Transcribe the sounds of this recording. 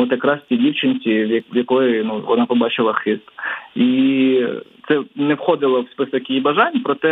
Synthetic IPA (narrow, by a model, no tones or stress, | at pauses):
ɔt̪jɐkɾɑst͡sʲidʲiwt͡ʃɪnʲt͡sʲiʋjɐkɔjɪnuʋɔ̰nɑpɔbɑt͡ʃɪlˠɐxɪst̪i | t̪sɛnɛwxɔd̪ɪlˠɔwspɪsɐkjijibɐʒɑnʲpɾɔt̪ɛ